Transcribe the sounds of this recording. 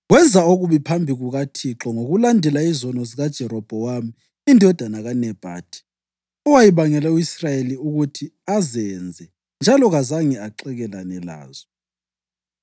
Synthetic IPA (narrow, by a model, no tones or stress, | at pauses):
ɣwɛnd͡zʱaoɣuβipʰambʱiɣuɣatʰiǁɔŋoɣulandʱɛlaizɔnɔziɣad̥ʒ̥ʱɛɾɔb̥ʱɔwami | indʱɔɔd̥ʱanaɣanɛb̥ʱa̰ːd̥ʰʱʼi̥ | ɔwajiβaŋɛlɛuisrajeliuɣutʰiazɛnd͡zʱɛ | nd͡ʒʱalɔɣazaŋɛaǃɛɣɛlanɛla̰ːzɔ